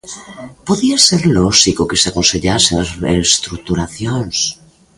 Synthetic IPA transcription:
poðiaseɾlosikokeseakonseʎaseest̪ɾuk̚t̪uɾaθjons

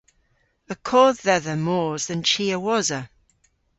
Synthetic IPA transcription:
əkʰɔːððɛðəmɔːzðə̃nt͡ʃiːəwɔzə

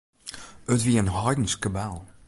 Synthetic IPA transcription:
ətʋiənɦɑjdən̩skəbɛlˠ

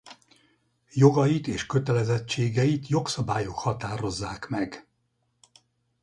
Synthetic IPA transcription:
jo̞ɡɒjit̪eːʃkøt̪ɛlɛzɛt͡ʃːeːɡɛjit̪jo̞ksɒbaːjo̞khɒt̪aːɾo̞zːaːkmɛɡ

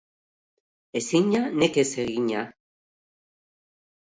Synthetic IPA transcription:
esiɲanekeseɣiɲa

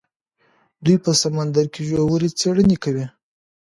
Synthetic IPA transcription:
d̪ujpəsamand̪aɾkeʒowəɾit͡seɽənekawi

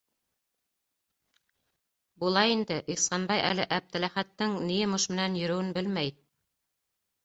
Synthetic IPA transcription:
bulˠɑjind̪ɘʔisɑnbɑjʔæ̰lɘʔæp̚t̪æ̆læχæt̪ːɘŋnijɘmoʃmɘ̆nænjɵ̆ɾɵ̆wɘnbɘlmæj

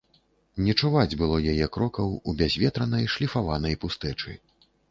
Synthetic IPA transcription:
nʲɛt͡ʂuvad͡zʲbɨlˠɔjajɛkɾɔkɐwubʲazʲvʲɛt̪ɾɐnɐjʂlʲifavanɐjpust̪ɛt͡ʂɨ̰

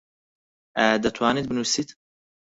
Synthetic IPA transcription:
ʔɛd̪ɐt̪ʰwaːnit̪̚bɨnusit̪

